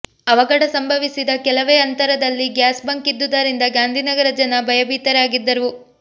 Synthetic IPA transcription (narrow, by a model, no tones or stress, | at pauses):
ɐʋɐɡɐɽɐsɐmbʱɐʋisid̪ɐkɛlɐʋeːɐnt̪ɐɾɐd̪ɐlːiɡjaːsbɐŋkid̪ːud̪ɐɾind̪ɐɡaːnd̪ʱinɐɡɐɾɐd͡ʒɐnɐbʱɐjɐbiːt̪ɐɾaːɡid̪ːɐɾu